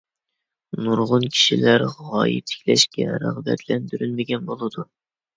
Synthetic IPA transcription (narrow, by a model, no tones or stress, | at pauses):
nuɾʁʊnkʲʰi̥ʃilæɾʁɑːjɪ̰t̪ʰːɪ̥kʲlɛʃkʲɛɾə̰ʁbɛ̰t̪ʰlɛnd̪yɾynmɪɡʲɛnbolˠɨd̪u